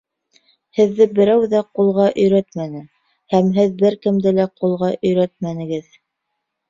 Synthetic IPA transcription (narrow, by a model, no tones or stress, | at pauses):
hɘ̆ðːɘbɘ̆ɾæwðæqulˠʁɑʔɵ̆jɾæt̪mænɘ | hæmɦɘðbɘɾkɘ̆md̪ɘlæqulˠʁɑʔɵ̆jɾæt̪̚mænɘ̆ɡɘð